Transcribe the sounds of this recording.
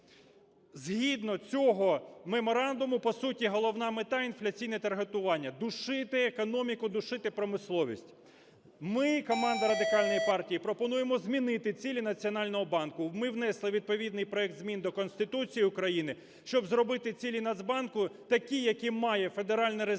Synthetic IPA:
zɦʲid̪nɔt͡sʲɔɦɔmemɔɾɑnd̪ʊmʊpɔsutʲiɦɔlˠɔwnɑmet̪ɑinflʲɐt͡sʲijnɛt̪ɐrɦet̪ʊʋɑnʲːɐd̪ʊʃɪt̪ɪekɔnɔmʲikʊd̪ʊʃɪt̪ɪpɾɔmɪslˠɔʋʲḭsʲtʲ | mɪkɔmɑnd̪ɐɾɐd̪ɪkɑlʲnɔjipɑrtʲijipɾɔpɔnujemɔzʲmʲinɪt̪ɪt͡sʲilʲinɐt͡sʲiɔnɑlʲnɔɦɔbɑnkʊmɪwnɛslˠɪʋʲid̪̚pɔʋʲid̪nɪjpɾɔɛk̚t̪zmʲind̪ɔkɔnsʲt̪ɪt̪ut͡sʲijiʊkɾɐjinɪ | ʃt͡ʃɔbzɾɔbɪt̪ɪt͡sʲilʲinɐd̪zbɑnkʊt̪ɐkʲijɐkʲimɑjɛfe̞d̪eɾɑlʲnɛɾe

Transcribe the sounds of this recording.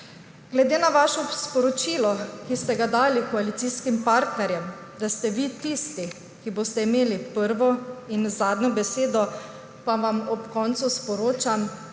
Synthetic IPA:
ɡlɛd̪eːnaʋaːʃɔspɔɾɔt͡ʃiːlɔkist̪ɛɡad̪aːlikɔalit̪siːskimpaːɾt̪nɛɾjɛm | d̪ast̪ɛʋit̪ist̪i | kiboːst̪ɛimeːlipəɾʋɔinzaːd̪nʲɲɔbɛseːd̪ɔ | paʋamɔpkɔːnt̪suspɔɾoːt͡ʃam

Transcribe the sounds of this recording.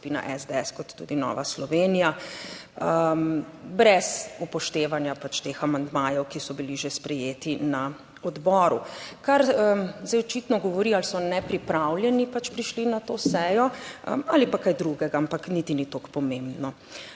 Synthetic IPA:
piːna̰ʔɛzd̪eɛskɔt̪ːṵd̪inɔ̰ːʋa̰slɔʋeːnija | əmbɾɛsupɔʃt̪eːʋanjapat͡ʃt̪eːxamand̪maːjɛwkisɔbiliʒespɾɛjeːt̪ina | ɔd̪bɔːɾukaɾzajɔt͡ʃit̪nɔɡɔʋɔɾialsɔnɛpɾipɾawljɛnipat͡ʃpɾiʃlinat̪oːsɛːjɔ̰alipakajd̪ɾuɡɛɡaampaknit̪init̪okpɔmẽmbnɔ

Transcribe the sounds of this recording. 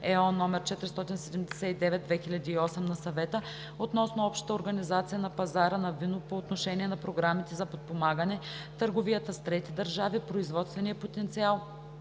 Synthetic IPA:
ɛɔnːɔmɛɾt͡ʃɛt̪ɾɛst̪ɔt̪insɛd̪ɛmd̪ɛsɛt̪id̪ɛvɛt̪̚d̪vɛxilʲɐd̪iːɔsɛmnɐsɐvɛt̪ə | ot̪nɔsnoɔpʃt̪ə̥t̪əoɾɡɐnizat̪sijənɐpɐzaɾənɐvinopoːt̪noʃɛniɛnɐpɾoɡɾamit̪ɛzɐpot̪̚pomaɡənɛ | t̪əɾɡovijət̪əst̪ɾɛt̪id̪əɾʒavipɾoizvɔt̪st̪vɛniəpot̪ɛnt̪sialˠ

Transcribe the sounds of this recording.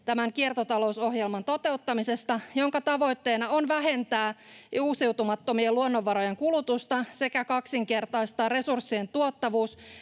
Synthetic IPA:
t̪æmæŋkiert̪ot̪ɑlo̞uso̞ɦjelmɑnt̪o̞t̪eut̪ːɑmisest̪ɑjo̞ŋkɑt̪ɑʋo̞jt̪ːe̞ːnɑo̞nʋæɦe̞nt̪æːuːsiwt̪umɑt̪ːo̞mieluonːo̞ʋːɑɾo̞jeŋkulut̪ust̪ɑse̞kækɑksiŋke̞rt̪ɑjst̪ɑːre̞sursːie̞nt̪uot̪ːɑʋuːs

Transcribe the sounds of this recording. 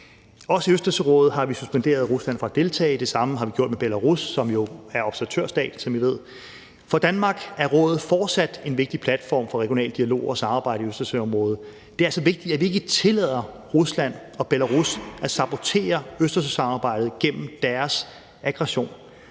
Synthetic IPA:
ɒ̽səiøsd̥ɐsəʁɔ̰̽ːð̩ˠɦɑ̈ʋisu̥sb̥end̥e̝̰ːɐð̞ˠʁuslæn̰fɒ̽æd̥e̝lt͡sʰɛ̰ːd̥e̝sɑ̈məɦɑ̈ʋiɡ̥jo̝ɐ̰d̥meb̥elæʁusːɒ̽mjo̝æɐɒ̽b̥sæɐæt͡sʰøɐ̰sd̥ɛ̰ːd̥n̩sɒ̽mʋiʋe̝ð̞̰ˠ | fɒ̽d̥ænmɑ̈ːɡ̥æɐʁɔ̽ːð̩ˠfɒːd̥sæd̥e̝nʋe̝ɡ̥̚d̥ipʰlæd̥fɒ̰ːmfɒ̽ʁɛɡ̥jo̝nɛ̰ːl̥iælo̝̰ːɒ̽sɑ̈mɑ̈ːb̥ɑ̈ɪ̰ɾəiøsd̥ɐsøɒ̽mʁɔ̽ːð̞̩ˠ | d̥e̝æɐsɒ̽ʋe̝ɡ̥̚d̥i̥æʋie̝ɡ̥ət͡sʰe̝lɛð̰ˠɐ | ʁuslæn̰ɒ̽b̥elæʁusʔæsɑ̈b̥o̝t͡sʰe̝̰ːɐøsd̥ɐs̬əsɑ̈mɑ̈ːb̥ɑ̈ɪ̰d̥ð̩ˠɡ̥en̰m̩d̥æɐs | æɡ̥ʁɑɕo̝̰ːn

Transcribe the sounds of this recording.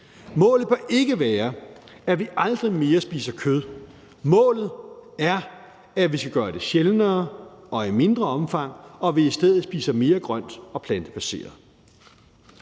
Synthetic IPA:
mɔ̰̽ːlð̩ˠb̥ʰæʔe̝ɡ̥əʋɛːɐ | æʋiʔɑ̈ld̥ʁime̝ːɐsb̥iːsɐkʰøð̞ˠ | mɔ̰̽ːlð̩ˠæɐ | æʋisɡ̥æɡ̥ɶːɐd̥e̝ɕelnɐːʔɒ̽ime̝nd̥ʁɐɒ̽mfɑ̈ŋ̰ɒ̽ʋiisd̥eð̰ð̩ˠsb̥ḭːsɐme̝ːɐɡ̥ʁɶn̰d̥ɒ̽pʰlænd̥əpʰæse̝̰ːɐðˠ

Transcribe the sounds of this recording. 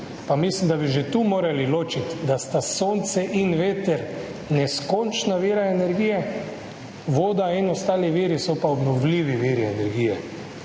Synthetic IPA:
pamislimd̪abiʒet̪umoːɾaliloːt͡ʃit̪d̪ast̪asoːnt̪sɛʔinʋeːt̪ɛɾ | nɛskont͡ʃnaʋiːɾaɛnɛɾɡiːjɛ | ʋoːd̪ainɔst̪aːliʋiːɾisɔpaɔbnɔʋliːʋiʋiːɾiɛnɛɾɡiːjɛ

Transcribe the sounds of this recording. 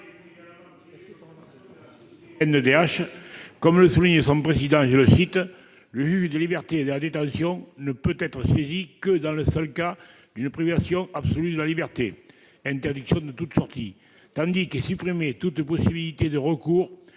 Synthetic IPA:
ɛnəd̪eaʃkɔmləsuliɲəsɔ̃pχezid̪ɑ̃ʒələsit̪ | ləʒyʒəd̪əlibɛʁt̪ed̪əlad̪et̪ɑ̃sjɔ̃nəpøt̪ɛt̪χəsezikəd̪ɑ̃ləsœlka | d̪ynəpʁivasjɔ̃absolyd̪əlalibɛʁt̪e | ɛ̃nt̪ɛʁd̪iksjɔ̃d̪ət̪ut̪əsɔʁt̪i | t̪ɑ̃d̪ikəsypχimet̪ut̪əpɔsibilit̪ed̪əʁəkuʁ

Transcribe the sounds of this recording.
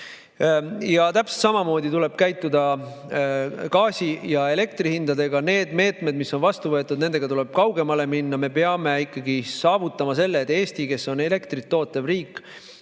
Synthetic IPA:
jɑt̪æpse̥t̪sɑmɑmo̞ːd̪it̪ule̞b̥̚kæjt̪ːˑud̪̥ɑ | kɑːsʲijɑe̞le̞kt̪rihind̪ɑd̪e̞ɡɑne̞ːd̪me̞ːt̪me̞d̪misːo̞nvɑst̪uvɤ̞t̪ːˑud̪ne̞nd̪e̞ɡ̥ɑt̪ule̞b̥̚kɑwɡe̞mɑle̞minːɑme̞peɑme̞ikːɑɡisɑːvut̪ːˑɑmɑse̞lːeːt̪ːˑe̞ːst̪ike̞sːo̞ne̞le̞kt̪rit̪ːo̞ːt̪ːˑɑvriːkːˑ

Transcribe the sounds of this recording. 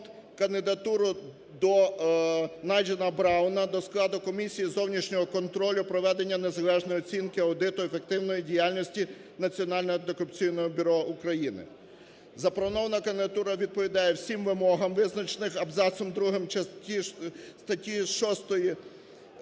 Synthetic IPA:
t̪ | kɐnd̪ɪd̪ɐt̪uɾʊ | d̪ɔ | nɑjd͡ʒɐnɐbɾɑwnɐd̪ɔsklˠɑd̪ʊkɔmʲisʲijizɔwnʲiʃnʲɔɦɔkɔnt̪ɾɔlʲʊpɾɔʋɛd̪e̞nʲːɐne̞zɐlˠɛʒnɔjɔt͡sʲinkɪɐwd̪ɪt̪ʊefek̚t̪ɪwnɔjidʲijalʲnʲɔsʲtʲi | nɐt͡sʲiɔnɑlʲnɔɔd̪ekʊpt͡sʲijnɔjibʲʊɾɔukɾɐjinɪ̰ | zɐplɔʋɔnɔʋɐnɐkɐnd̪ɪd̪ɐt̪uɾɐʋʲid̪̚pɔʋʲid̪ɑjɛwsʲimʋɪmɔɦɐmʋɪznɐt͡ʃenɪxɐbzɑsɔmd̪ɾuɦɪmɐtʲist̪ɐtʲiʃɔst̪ɔji

